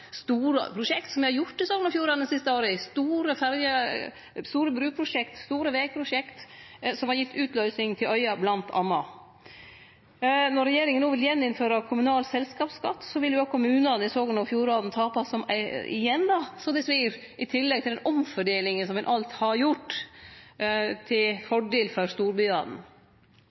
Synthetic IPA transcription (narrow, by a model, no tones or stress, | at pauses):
st̪uːɾə̰pʰɾʊʂɛkt̪sɔmʋɛɪhɑɾjʊʈːɪsoːɡənɑfjuːɾɑːd̪nsɪst̪əoːɾəɪst̪uːɾəfæɾjə | st̪uːɾəbɾʉːpʰɾʊʂɛkt̪st̪uːɾəʋeːɡ̚pʰɾʊʂɛkt̪sɔmhɑɾjɪt̪ʰːʉːt̪ʰlœʏsɪŋt̪ʰɪlʔœʏɑblɑnt̪ʰɑ̰nːɑ | nɔɾːɛjeːɾɪŋənuːʋɪljɛnːɪnføːɾɑkʰʊmʉnɑːlsɛlskɑːpskɑ̰t̪ːsɔʋɪljʊɑkʰʊmʉːnɑnɪsoːɡənɑfjuːɾɑːd̪n̩t̪ʰɑːpɑsːɔmæ̰ɪ̰jɛnd̪ɑsɔmd̪ɛsʋiːɾ | ɪt̪ʰɪlːɛɡ̚t̪ɪɛnʔɔmfɔɖeːlɪŋənsɔmɛnʔɑlt̪hɑɾjʊʈ | t̪ʰɪlfɔɖeːlfɔɾst̪uːɾbʏɑ̰ːd̪n̩